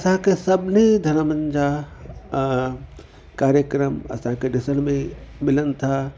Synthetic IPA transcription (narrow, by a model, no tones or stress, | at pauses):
ɐsãkesɐbnid̪ʱɐnəmə̃ɲd͡ʒa | kaːɾjəkɾəmɐ̰sãkeɖɪsənmẽmɪlənt̪ʰa